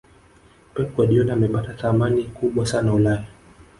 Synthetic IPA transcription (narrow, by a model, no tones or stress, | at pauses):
pɛkwaɗiɔnaamɛɓataθamanikuɓwasanaulaja